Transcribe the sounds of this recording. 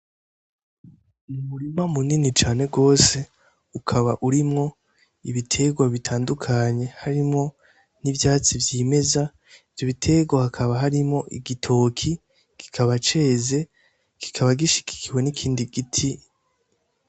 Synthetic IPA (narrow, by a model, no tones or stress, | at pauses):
mumuɾimamuninit͡ʃaːne̞ɡo̞ːse̞ | ukʰaβa̰ʔuɾimŋo̞ | iβitʰe̞ɡwaβitʰaːndukʰaɲe̞haɾimŋo̞ | nivjaːt͡sivjime̞za | ivjo̞βitʰe̞ɡwahakʰaβaɦaɾimŋo̞ʔḭɡitʰo̞kʰi | ɡ̥i̥kʰaβat͡ʃe̞ːze̞ | ɡ̥i̥kʰaβaɡiʃi̥ki̥kʰiwe̞nikʰiːndiɡ̥itʰi